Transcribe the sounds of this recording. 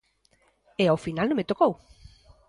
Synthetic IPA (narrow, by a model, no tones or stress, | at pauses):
eawfinalnõmet̪okow